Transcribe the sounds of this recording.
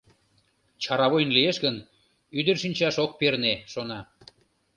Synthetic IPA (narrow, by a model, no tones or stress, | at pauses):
t͡ɕɑɾɑβojnlieʃɣən | yd̪ərʃinʲt͡ɕɑʃok̚perneʃonɑ